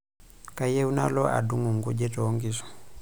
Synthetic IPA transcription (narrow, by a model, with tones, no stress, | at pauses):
ka˨je˦u˦na̰˦lɔ˦ʔa̰˨du˦ŋu˨m̩˨ɡu˦d͡ʒɛ˦tɔ˨˦ŋɡi˨sɔ̥˨